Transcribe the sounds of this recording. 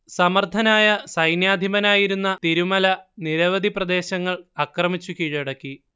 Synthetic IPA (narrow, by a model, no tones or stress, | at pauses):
sɐmɐrt̪ʰːɐnaːjɐsɐjnjaːd̪ʱimɐnaːjiɾunːɐt̪iɾumɐlɐniɾɐʋɐd̪ʱiprɐd̪e̞ːɕɐŋːɐɭɐkrɐmit͡ɕːukiːɻɐɽɐkːi